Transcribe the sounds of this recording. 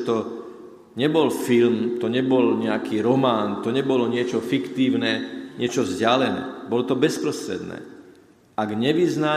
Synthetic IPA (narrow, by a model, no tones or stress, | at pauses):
t̪ɔ | ɲɛbɔlfilmt̪ɔɲɛbɔlɲɛakiːɾɔmaːnt̪ɔɲɛbɔlɔɲɪɛt͡ʃɔfikt̪iːʊnɛɲɪɛt͡ʃɔvzɟɪalɛnɛ̰ːbɔlɔt̪ɔbɛspɾɔst̪ɾɛ̰d̪nɛ̰ː | ʔaɡɲɛʋizna